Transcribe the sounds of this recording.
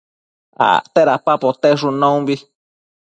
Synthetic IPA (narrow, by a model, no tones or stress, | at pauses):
a̰t̪eɾapapot̪eʂunõũbi